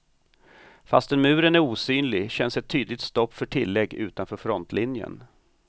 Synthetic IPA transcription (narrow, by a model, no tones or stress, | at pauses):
fast̪ɛnmʉ̟ːɾənæɾuːsyːnlɪɡɕɛnsɛt̪ʰːyːd̪lɪt̪st̪ɔpːfœʈʰɪlːɛɡːʉ̟ːt̪anfœːɾfɾɔnt̪lɪnjə̰n